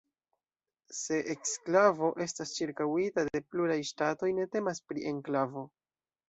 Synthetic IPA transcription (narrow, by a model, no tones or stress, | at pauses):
se̞ʔeksklavo̞ʔe̞stast͡ʃiɾkawitade̞pluɾajʃtato̞jne̞te̞maspɾiʔe̞ŋklavo̞